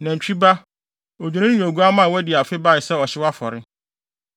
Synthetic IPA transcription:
nã˨ɲ̩˨t͡ɕᶣi˦ba˦ | o˨d͡ʑᶣi˨nɪ̃˦ñ˦ɲõ˨ɡu˦a˦mã˦˨wɔ˦dɪ˨a˨fɪ˦ba˦˨ɪ˨sɛ˦ɔ˨ɕɪ˦wa˦fɔ˨ɾɪ˦

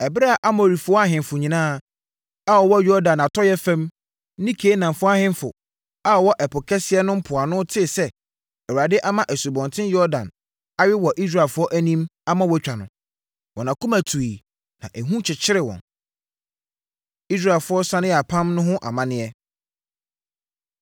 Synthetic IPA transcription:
ɛ˨bɪ˦ɾɛ˦a˨ʔa˦mɔ̃˨ɾi˨fʊ˨˦ɔ˦a˦ɦɪ̃˨mfʊ˨ɲĩ˨nãː˦˨ | a˦˨ɔ˨wɔ˦jɔ˦dã˨na˨tʰɔ˦jɛ˦fæ̃˦m˦ | nĩ˦kʰeː˨˦nã˨mfʊ˦a˦ɦɪ̃˦n˦fʊ̰˨ | a˦ɔ˨wɔ˦ʔɛ˨pʰʊ˨kʰɛ˦sɪ˦ɛ˦nʊ̃˦m̩˦pʰʊ˨a˨nʊ̃˦tʰɪ˦˨sɛ˦ | ɛ˨wɾa˨dɪ˦ʔa˦mã˦ʔæ˨su˨bɔ̃˨ntʰɪ̃˦jɔ˦ɾdã̰˨n | a˦ɥɪ˦wɔ˨ʔi˦s̬ɾa˨ɛ˨fʊ˦ɔ˦ʔæ˦nĩ˦ma˦mã˦wɔ˦t͡ɕᶣa˨nʊ̰̃˨ | wɔ̃˨nã˨kʰʊ̃˦mæ˨tʰu˨i˨ | nã˨ʔɛ˨ɦũ˦t͡ɕʰɪ˨t͡ɕʰɪ˦ɾɪ˦˨wɔ̰̃˨n | i˦s̬ɾa˦˨lfʊ˨˦ɔ˦sã˦nɪ̃˦ɛ˨a˨pʰã˦mnʊ̃˦ɦʊ̃˦ʔa̰˨mã˦nɪ̃˦ɛ˦

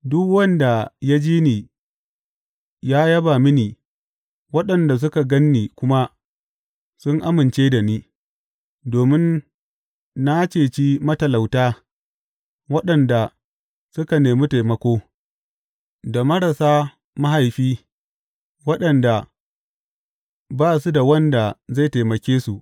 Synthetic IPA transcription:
dʊ˦kwɐ˦nda˨ja˦d͡ʒiː˦niː˨ | jaː˦jɐ˦baː˨mɪ˦niː˨ | wɐ˦ɗɐ˨nda˨s̬ʊ˦ka˨ɡɐ˦nːiː˨kʷʊ˦ma˦ | sʊ˦ŋʔa˦mɪ˨nt͡ʃeː˦da˨niː˦ | doː˨mɪ˦n | na˦t͡ʃeː˨t͡ʃi˦mɐ˦tɐ˨la˨wtaː˦ | wɐ˦ɗɐ˨nda˨ | sʊ˦ka˨neː˨mi˦ta˨jmɐ˦kʷoː˦ | da˨mɐ˦ɽa˨saː˦ | mɐ˦ha˨jɸiː˦ | wɐ˦ɗɐ˨nda˨ | baː˦˨su˦da˨wɐ˦nda˨za˦˨ta˨jmɐ˨kʲeː˦su˨ʔ

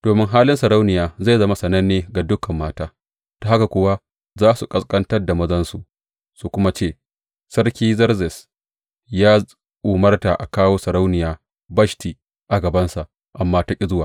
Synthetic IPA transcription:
d̥oː˨mɪ˦ŋɦaː˦lɪ˦nsɐ˨ɾa˦wnɪ˨jaː˨za˦˨jzɐ˦ma˦sɐ˨nɐ˦nːeː˨ɡa˨dʊ˦kɐ˨mːaː˦taː˦ | d̥a˨ha˦ka˨kʷʊ˦wa˦ | zaː˦su˨kʼɐ˦skʼɐ˦ntɐ˦rda˨mɐ˦zɐ˦nsu˨ʔ | su˦˨kʷʊ˦ma˦t͡ʃeː˦˨ | sɐ˦rkʲiː˦zɐ˦rzɛ˨s | jaː˦ | ʔʊ˨mɐ˦rta˨ʔa̰˨kaː˦woː˦sɐ˨ɾa˦wnɪ˨jaː˦ | bɐ˦ʃtiː˨ | ʔa˨ɡɐ˨bɐ˦nsa˨ | ʔa˨mːaː˦ta˦kʲʼɪ˦zʊ˦waː˨

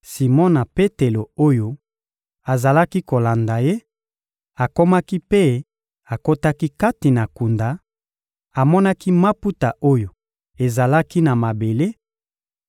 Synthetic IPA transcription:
si˨mɔ˦na˨pe˦te˨lo˨o˦jo˦ | a˨za˨la˦ki˦ko˨la˨nda˨je˦ | a˨ko˦ma˦ki˦pe˦ | a˨ko˦ta˦ki˦ka˦ti˨na˨ku˨nda˨ | a˨mɔ˦na˦ki˦ma˦pu˦ta˨ʔo˦jo˨ | e˨za˨la˦ki˦na˨ma˨be˨le˦

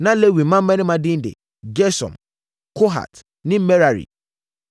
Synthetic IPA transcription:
nã˦le˦wi˨˦ã˦m̩˦mɛ̃˦nɪ̃˦mã˨dɪ̃˦n̩˦dḛ˨ | d͡ʒɛ˦sɔ̰˨m | kʰo˦ɦa̰˨t | nɪ̃˦mɛ˦ɾa˨ɾḭ˨

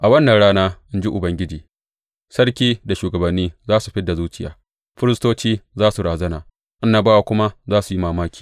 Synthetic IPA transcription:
ʔa˨wɐ˦nːɐ˨nɽaː˦naː˦ʔɪ˦nd͡ʒi˦ʔʊ˨bɐ˦ŋɡʲɪ˦d͡ʒiː˨ | sɐ˦ɽkʲiː˦da˨ʃuː˨ɡɐ˨bɐ˨nːiː˦zaː˦su˨ɸɪ˦da˨zuː˦t͡ʃɪ˦ja̰ː˨ | ɸɪ˦ɾɪ˦stoː˦t͡ʃiː˦zaː˦su˨ɽaː˨zɐ˦na̰ː˨ | ʔɪ˦nːaː˨baː˦wa˨kʷʊ˦ma˦zaː˦su˨ji˦maː˨maː˦kʲi̥ː˨

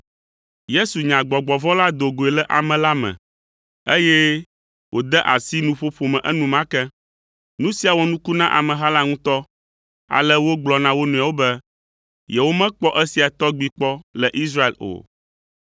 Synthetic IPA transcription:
je˦su˨ɲã˨ɡ͡bɔ˨ɡ͡bɔ˨vɔ̃˦la˦d̪o˨ɡo˨ɛ˨lɛ˦ʔa˨mɛ̃˨la˦mɛ̰̃˨ | e˦jɛ˦ | wʔo˨d̪ɛ˦ʔa˨si˦nũ˦ɸo˦ɸo˨mɛ̃˨ʔɛ˦nũ˨mã˦kɛ˦ | nũ˦si˨˦a˨wɔ˦nũ˦ku˦nã˦ʔa̰˨mɛ̃˨ɦa˦la˦ŋũ˦t̪ɔ˦ | a̰˨lɛ˦wo˦ɡ͡blɔ˨nã˦wo˦nũ˨a˨wo˦bɛ˦ | jɛ˨wo˦mɛ̃˦k͡pɔ˦ʔɛ˦si˨a˨t̪ɔ˦ɡ͡bi˨k͡pɔ˦lɛ˨ʔi˦sɾa˦e˨lo̰˨

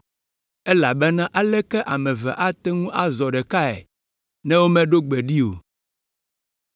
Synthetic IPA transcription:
ɛ˦la˨bɛ˦nã˦ʔa˦lɛ˦kɛ˦ʔa˨mɛ̃˨vɛ˨ʔa˦t̪ɛ˦ŋũ˦ʔa˦zɔ˨ɖɛ˨ka˦ɛ̰˨ | nɛ̃˦wo˦mɛ̃˦ɖo˦ɡ͡bɛ˨ɖi˦o̰˨

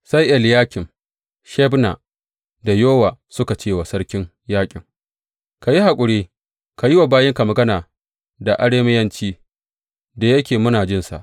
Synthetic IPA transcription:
sa˦jʔɛ˨ljaː˦kʲɪ˨m | ʃɛ˦bna̰˨ | da˨joː˦wa˨sʊ˦ka˨t͡ʃeː˦wa˨sɐ˦rkʲɪ˦ŋ | jaː˦kʲʼɪ̰˨ŋ | ka˨ji˦ha˨kʷʼʊ˨ɽeː˦ | ka˨ji˦wa˨baː˦jɪ˦ŋka˨mɐ˨ɡɐ˦naː˨ | da˨ʔa˦ɽeː˦mɪ˦jɐ˦nt͡ʃiː˦ | da˨jɐ˦kʲeː˨mʊ˦naː˨d͡ʒɪ˦nsa̰˨ʔ

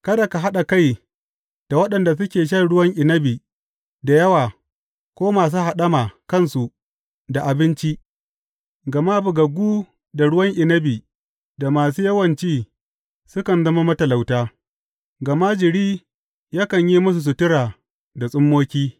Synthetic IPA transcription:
kɐ˦da˨ka˨ɦa˦ɗa˨ka˦˨j | d̥a˨wɐ˦ɗɐ˨nda˨s̬ʊ˦kʲeː˨ʃ̬ɐ˦˨ɽʊ˦wɐ˦ŋʔɪ˨nɐ˦biː˨ | da˨jɐ˦waː˨ | kʷoː˦maː˨s̬uː˦ɦa˨ɗɐ˦maː˨kɐ˦˨nsu˨ | da˨ʔa˨bɪ˦nt͡ʃi˦ | ɡɐ˨ma˦bʊ˨ɡɐ˨ɡʷuː˦ | da˨ɽʊ˦wɐ˦ŋʔɪ˨nɐ˦biː˨ | da˨maː˨s̬uː˦jɐ˦wɐ˨nt͡ʃiː˦ | sʊ˦kɐ˨nzɐ˦ma˦mɐ˦tɐ˨la˨wtaː˦ | ɡɐ˨ma˦d͡ʒɪ˨ɽiː˦ | jaː˦kɐ˨ɲji˦mʊ˦s̬u˨s̬u˨tɪ˦ɽaː˨ | da˨sʼʊ˦mːoː˦kʲiː˦

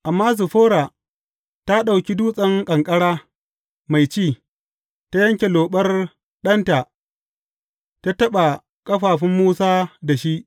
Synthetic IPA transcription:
ʔa˨mːaː˦zʊ˨ɸoː˦ɽa˨ | ta˦ɗa˨wkʲi˦duː˦sʼɐ˦ŋkʼɐ˨ŋkʼɐ˦ɽaː˦ | ma˨jt͡ʃiː˦˨ | ta˦jɐ˦ŋkʲe˨loː˨ɓɐ˦r | ɗɐ˦nta˨ | ta˦tɐ˦ɓa˨ | kʼɐ˦ɸaː˨ɸɪ˦mːuː˦saː˦da˨ʃi˦ʔ

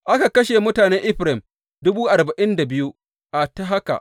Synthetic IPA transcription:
ʔa˦ka˨kɐ˦ʃe˨mʊ˦taː˨neː˦ʔɪ˦ɸɾɛ˦˨m | dʊ˦buː˦ʔa˨rba˨ʔɪ˦nda˨bɪ˦ju˦ | ʔa˨ta˦ɦa˦ka̰˨ʔ

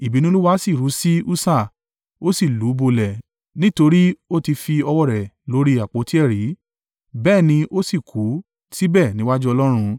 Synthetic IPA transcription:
i˨bi˨nĩ˦lu˦wa˧˦si˦˨ɾu˨˦si˦u˦sa˦˨ | o˦si˦˨lu˨˦bo˧lɛ˨ | nĩ˦to˧ɾi˦o˦ti˧fi˧ɔ˧wɔ˦˨ɾɛ˨lo˨˦ɾi˦a˨k͡po˨˦ti˦ɛ˦˨ɾi˨˦ | bɛː˦˨nĩ˧ʔo˦si˦˨kʰu˨˦ | si˦bɛ˦˨nĩ˨˦wa˦d͡ʒu˦ɔ˧lɔ˦ɾ̃ũ˧

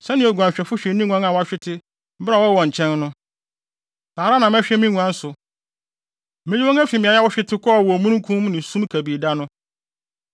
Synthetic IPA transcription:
sɛ˦nɪ̃˦ɔ˨ɡʷu˨ã˨ɕᶣɛ˨fʊ˦ɕᶣɛ˨˦nĩ˦ŋu˦ã˦nã˨wɔ˨˦a˨ɕᶣɪ˦tʰɪ˦ | m̩˦bɾa˨wɔ˦wɔ̃˨ɲ̩˨t͡ɕʰɛ̃˦nːʊ̃˦ | saː˨ɾa˦nã˨m˦ɛ˦ɕᶣɛ˦mĩ˦ŋũ˨ã˦n̩˦sʊ˨ | mɪ̃˦ɲi˦wɔ̃˦ŋ˦æ˦fi˨mĩ˨a˨ɲa˦wɔ˦ɕᶣɪ˦tʰɪ˦kʰɔ˦˨wɔ˨mũ˦n˦kʰũ˦mnɪ̃˨sũ˦mkʰæ˨bi˨da˦nʊ̃˦

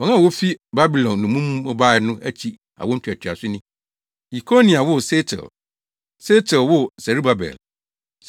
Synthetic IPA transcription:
ɔ˨nã˦˨wo˦fi˦ba˦bi˨lɔ̃˨nːʊ̃˨mũ˦mũ˦ɔ˦ba˦˨nʊ̃˦æ˦t͡ɕʰi˦ | a̰˨wɔ˦n̩˦tʰu˨æ˨tʰi˨a˨sʊ˦nɪ̃˦ | i˨kʰo˦nĩ˨a˨wʊ˦se˦tʰɛ̰˨l | se˦tʰɛ˨lwʊ˦sæ˨ɾi˦ba˨bɛ̰˨l

